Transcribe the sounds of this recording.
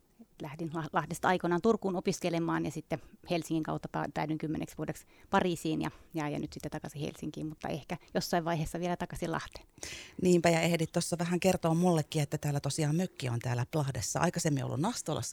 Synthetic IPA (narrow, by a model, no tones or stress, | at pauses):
et̪læhdinlɑlɑhdest̪ɑɑikonɑːnt̪urkuːnopiskelemɑːnjɑsit̪ːehelsiŋːiŋkɑ̰ut̪ːɑpɑ̰t̪æydyŋkymːḛnḛksʋuodekspɑriːsiːnjɑ̰jɑjɑ̰nyt̪sit̪ːet̪ɑkɑsihḛlsiŋkḭːmmut̪ːɑ̰ehkæjosːɑiʋʋɑiheːsːɑʋielæt̪ɑkɑsilɑ̰ht̪e̥ːnniːmpæjɑehdit̪t̪osːɑʋæhæŋkert̪oːmmulːekːiet̪ːæt̪æːlːæt̪osiɑːmmøkːiont̪æːlːæplɑhdesːɑ̰ɑ̰ikɑsemːḭo̰lːṵnnɑst̪olɑ̰sːɑ